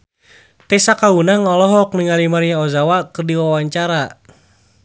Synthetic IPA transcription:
t̪ɛsakaunaŋɔlɔɦɔk̚niŋalimaɾiɲaɔzawakɨrdiwawaɲt͡ʃaɾa

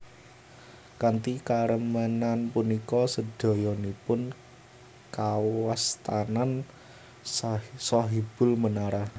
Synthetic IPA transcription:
kant̪ikaɾəmənanpunikɔsəd̥ɔ̤jɔnipʊn | kawast̪anan | sɔɦib̥ʊ̤lmənaɾah

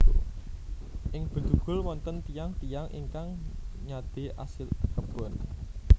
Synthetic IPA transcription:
ʔɪŋb̥ə̤d̪̥uɡ̥ʊ̤lwɔnt̪ənt̪ijaŋt̪ijaŋʔḭŋkaŋɲad̪̥e̤ʔa̰sɪlkəb̥ɔ̤n

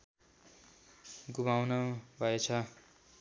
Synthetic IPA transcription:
ɡubawnʌbʱʌet͡sʰʌ

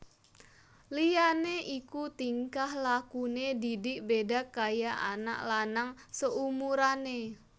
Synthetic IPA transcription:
lijaneʔikut̪iŋkahlakunedidɪkbedakajaʔa̰na̰ʔlanaŋsəʔumuɾane

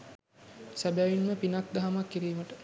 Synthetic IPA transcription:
sæbæʋinməpinak̚d̪aɦamakːiɾiːməʈə

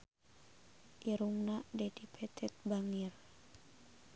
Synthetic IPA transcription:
ʔiɾuŋnaʔdɛdipʰɛt̪ʰɛt̪̚baŋir

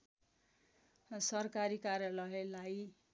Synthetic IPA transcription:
sʌrkaɾikarjʌlʌelaj

